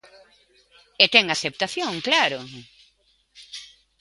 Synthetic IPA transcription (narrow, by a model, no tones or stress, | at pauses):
et̪ɛŋaθep̚t̪aθjoŋklaɾʊ